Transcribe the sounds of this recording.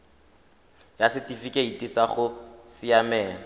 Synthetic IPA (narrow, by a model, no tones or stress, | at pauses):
jasɪtʼifikʼeitʼisaχʊsɪjamɛːŋa